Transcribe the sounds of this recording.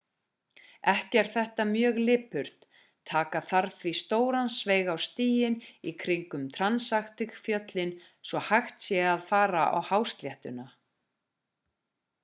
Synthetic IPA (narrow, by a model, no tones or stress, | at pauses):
ɛhcɛɾ̥θɛht̪amjœːɣlɪːpʏɾ̥t̪ʰː | aːkaθaɾθvist̪oːwɾansveːjɣawst̪iːjɪnikʰɾɪŋkʏmt̪ʰɾansaxt̪ɪxfjœt̪lɪn | svɔhajxt̪sjɛɣaðfaːɾa̰ʔa̰whawst̪ljɛht̪ʏna